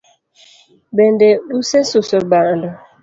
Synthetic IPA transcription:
bendeɗusesusubandɔ

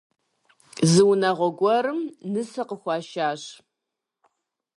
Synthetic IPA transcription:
zɨwnɐʁʷɔɡʷɔɾɨmnɨsɐqəxʷɑːʃaːɕ

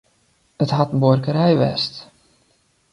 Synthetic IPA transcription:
ətɦatən̩borkəɾɛjʋɛ̰st

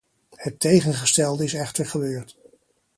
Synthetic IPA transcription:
hətejχənχəstɛlˠdəɪsɛχtəɹχəbøːɹt

